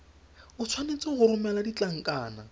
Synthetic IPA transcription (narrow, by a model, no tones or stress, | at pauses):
ʊt͡sʰwanet͡sɔɣʊɾʊmɛladit͡ɬaŋ̩kʼaːna̰